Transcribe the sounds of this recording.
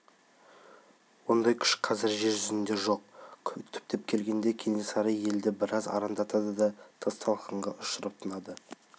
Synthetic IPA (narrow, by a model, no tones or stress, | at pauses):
wond̪ɑjkʲʰʏ̥ʃqʰɑzɪɾʒe̞ɾʒʏzɪnd̪e̞ʒo̞q̚ʰʲʏt̪ʰːʏ̥p̚t̪e̞pkʲʰe̞lɡʲe̞nd̪e̞kʲʰe̞ne̞sɑɾɑje̞ld̪ɪbɪɾɑzɑ̰ɾɑnd̪ɑt̪ɑd̪əd̪ɑt̪ʰəst̪ʰɑlˠqəɴʁɑʔʊʃəɾəp̚t̪ʰənɑd̪ə